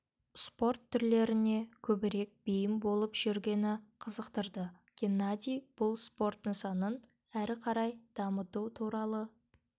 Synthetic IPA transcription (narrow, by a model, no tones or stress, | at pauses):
spo̞rt̪ʰːʏɾle̞ɾɪne̞kʲʰɵbɪɾe̞k̚bejɪmbo̞lˠəpʒ̥ʏɾɡʲe̞nɪqʰəzəqt̪əɾd̪ə | ɡ̥ʲenːad̪ʲijb̥ʊlˠspo̞rt̪əsɑnən | æɾɪqʰɑɾɑjd̪̥ɑmət̪ut̪ʰuɾɑlˠə